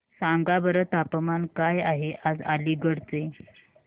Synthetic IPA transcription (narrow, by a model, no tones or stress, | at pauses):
saŋɡabəɾət̪apəmankajaɦeʔad͡zaliːɡəɽt͡se